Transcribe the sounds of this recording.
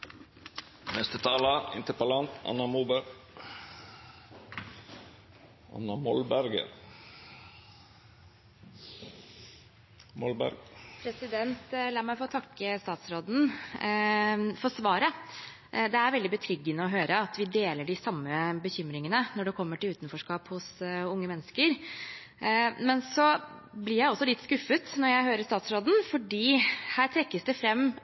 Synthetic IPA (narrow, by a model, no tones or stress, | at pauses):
nɛst̪ət̪ʰɑːlɑɪ̰nt̪əpɑlɑnt̪ɑ̰nːɑmuːbəɾ | ʔɑ̰nːɑmɔlbæɾɡə̰ɾ | mɔlbæ̰ɾɡpʰɾɛsɪd̪ɛnt̪lɑːɾmæɪfoːt̪ʰɑkːəst̪ɑːt̪sɾoːd̪n̩ | fɔʂʋɑːɾə | d̪ɛæɾʋɛld̪ɪbət̪ʰɾʏɡːənəɔɦøːɾəɑt̪ʋɪd̪eːləɖɪsɑmːəbəçʏmɾɪŋənənɔɖɛkʰɔmːəʈɪlʉːt̪nfɔʂkɑːphʊsʊŋːəmɛnːəskəɾ | mɛnsɔblɪɾjæɪɔsːɔlɪt̪ːskʉfːət̪nɔɾjæɪɦøːɾəst̪ɑːt̪sɾoːd̪n̩fɔɖiːhæːɾʈʰɾɛkːəsd̪ɛfɾɛmː